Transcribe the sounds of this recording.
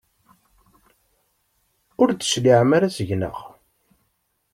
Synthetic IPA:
ʊɾd̪ə̥ʃliʕmaɾasəʝnə̰ʁ

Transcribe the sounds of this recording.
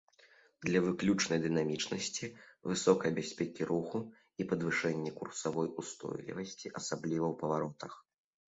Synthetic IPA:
d̪lʲɐvɨklʲut͡ʂnɐjd̪ɨn̪amʲit͡ʂnɐsʲt͡sʲivɨsɔkɐjɐbʲasʲpʲɛkʲiɾuxu | ipɐd̪vɨʂɛnʲːɛkursavɔjust̪ɔ̰jlʲḭvɐsʲt͡sʲiʔɐsablʲivɐwpɐvaɾɔt̪ɐx

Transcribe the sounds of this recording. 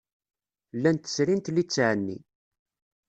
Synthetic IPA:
lːænt̪ə̥sɾint̪lit͡sːʕənːḭ

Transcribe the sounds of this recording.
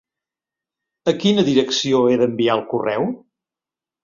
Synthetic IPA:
əkinəðiɾəksioeðəmbiaəlˠkurɛw

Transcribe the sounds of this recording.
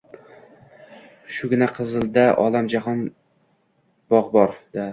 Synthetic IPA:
ʃʊɡʲɪnaqʰɨzɨlˠd̪aʔɒlamd͡ʒaɦɒn | b̥ɒʁbɒɾd̪̥a

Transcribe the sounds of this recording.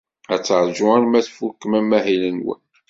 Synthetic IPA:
æt͡sːəʕɾˤʒuɾmæθfukːmæmːæɦilənwə̰n

